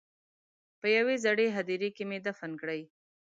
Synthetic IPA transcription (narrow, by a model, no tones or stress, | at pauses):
pəjawezaɽeɦad̪iɾekemed̪afankɽəj